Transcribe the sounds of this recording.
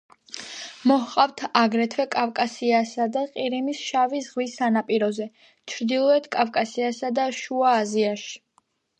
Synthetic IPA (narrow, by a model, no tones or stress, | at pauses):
mɔhqʼavt̪ʰaɡɾɛt̪ʰwɛkʼavkʼasiasad̪aqʼiɾimisʃavisʁwisːanapʼiɾɔzɛ | t͡ʃʰɾd̪ilˠɔɛt̪ʰkʼafkʼasiasad̪aʃuaːziaʃi̥